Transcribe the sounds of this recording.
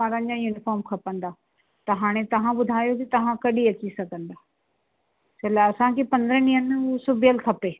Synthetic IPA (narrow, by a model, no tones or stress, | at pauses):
aːɾə̃nd͡ʑajuːnɪfɔːɾmkʰɐpə̃nd̪aː | t̪ɐɦaːɽ̃et̪ɐʋ̤ãɓʊd̪ʱaːjokit̪ɐʋ̤ãkɐɗiɐt͡ɕisɐɡʱə̃nd̪aː | t͡ɕɐlaɐsãkʰepɐ̃nd̪ɾəniənm̃usʊbʱijəlk̪ʰɐpeː